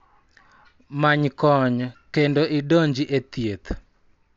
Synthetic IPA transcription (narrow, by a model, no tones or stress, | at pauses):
maɲkɔɲkendoʔɪdoɲd͡ʒiʔet̪jet̪